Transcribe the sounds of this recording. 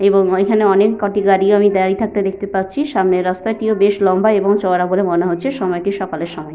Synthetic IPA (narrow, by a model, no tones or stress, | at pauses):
eboŋekʰaneɔnekːɔʈiɡaɽiamid̪aɾit̪ʰak̚t̪ed̪ekʰt̪epatːt͡ɕʰiʃamneɾɔst̪aʈiobeʃlɔmbaeboŋt͡ɕɔɾabolemoneɦotːt͡ɕʰeʃɔmɔeʈiʃɔkaleɾʃɔmɔe